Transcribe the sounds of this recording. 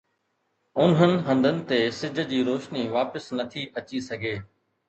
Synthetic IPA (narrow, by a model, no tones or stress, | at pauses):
ʊnɦənɪ̆ɦɐ̃nd̪ʱənɪ̆t̪esɪd͡ʑʱə̆d͡ʑiːɾoːʃniʋaːpəsnɐt̪ʰiʔɐt͡ɕisɐɡʱeː